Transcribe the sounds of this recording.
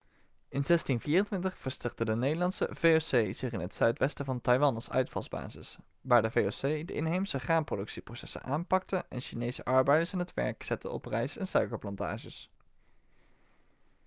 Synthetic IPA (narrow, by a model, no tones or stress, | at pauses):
ɪnz̥ɛstinviːrəntʋɪntəχfəɹstɛɹk̚tədənejdəlɑnsə̰v̥ejosejz̥ɪχɪnətsœɥtʋɛstəvɑntɑjʋɑnɑsœ̰ɥtfɑ̰lˠzba̰ːzɪ̰s | ʋaːɹdəvejosejdə̰ʔɪnɦejmsəχraːmprodɵksiprosɛsə̰nʔaːmpɑk̚təʔɛ̰nʃinejsəʔɑɹbɛjdəɹsɪnɦətʋɛ̰ɹksɛtə̰ɔ̰prɛjsɛnsœɥkəɹplɑnta̰ːʒəs